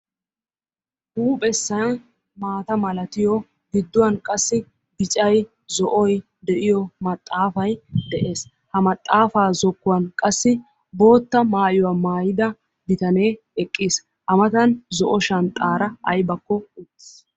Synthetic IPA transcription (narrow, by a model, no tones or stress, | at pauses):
huːpʼɛsːɐn | maːt̪ɐmɐlɐt̪ɪjɔ | ɡɪd̪ːʊwɐnkʼɐsːɪ | ɡɪt͡ʃʼɐj | zɔʔɔj | d̪ɛʔɪjɔmɐt̪ʼːaːfɐjd̪ɛʔe̞ːs | hɐmɐt̪ʼːaːfaːzɔkːʊwɐnkʼɐsːɪ | bo̞ːt̪ːɐmaːjʊwamaːjɪd̪ɐ | bɪt̪ɐne̞ː | ɛkʼːiːs | ʔɐmɐt̪ɐnzɔʔɔʃɐnt̪ʼaːɾɐʔɐjbɐkːɔʊt̪ːɪs